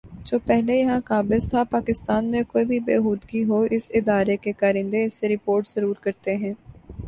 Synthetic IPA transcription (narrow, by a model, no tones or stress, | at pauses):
d͡ʒoːpɛɦlejɐɦãkaːbɪzt̪ʰapaːkɪst̪aːnmẽkoːibʱibeːɦuːd̪ɡiɦoɪsɪd̪aːɾekekaːɾɪ̃nd̪eɪsːeɾɪpoːɾʈz̥əɾuːɾkɐɾt̪eɦɛ̃ː